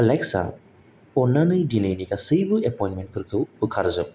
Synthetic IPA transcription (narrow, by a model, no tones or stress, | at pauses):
aleksa̰ | ɔnanɯjdinejnikasɯjbɯepɔjnmentpʰɯɾkʰɯwbɯkʰaɾzɯ